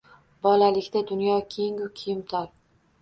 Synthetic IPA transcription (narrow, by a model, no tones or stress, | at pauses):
bɒlalɪkʲt̪ad̪ʊnjɒkʲʰeŋʊkʲʰɪjɪmt̪ʰɒɾ